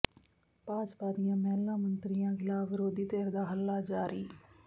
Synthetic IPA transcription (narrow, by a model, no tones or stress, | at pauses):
paːd͡ʒpaːd̪ɪjãːmɛːlːãːmənt̪ɾɪjãːɡɪlaːʋɪɾoːd̪iːt̪eːɾd̪aːɦəlːaːd͡ʒaːɾiː